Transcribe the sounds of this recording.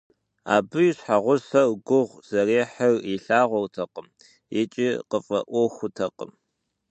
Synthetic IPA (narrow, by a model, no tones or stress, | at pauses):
a̰ːbɨjɕħaʁʷʊsɐɡʷʊʁʷz̥ɐreːħɐriɬaːʁʷɔrtʰɐqəm | jɪt͡ʃʼiːqəfʼɐ̰ʔʷɔxʷʊtʰɐqə̰m